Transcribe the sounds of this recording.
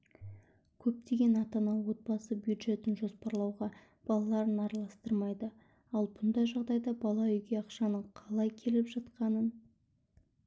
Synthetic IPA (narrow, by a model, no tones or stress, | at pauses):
kʲʰɵp̚t̪ʰe̞ɡʲe̞nɑt̪ɑnɑwo̞t̪̚bɑsəbjud̪ʒe̞t̪ɪnʒo̞spɑɾlˠɑwʁɑ | b̥ɑlˠɑlˠɑɾənɑɾɑlˠɑst̪əɾmɑjd̪ə | ɑlˠbʊnd̪ɑjʒɑʁd̪ɑjd̪ɑbɑlˠɑʏjɡʲe̞ɑqʃɑnəɴqʰɑlˠɑjkʲʰe̞lɪpʒɑt̪qɑnən